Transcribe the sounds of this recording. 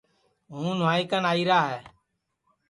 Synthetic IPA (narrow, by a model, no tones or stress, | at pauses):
ɦũːnʊʋaːiːkənaːiːɾaːɦɛː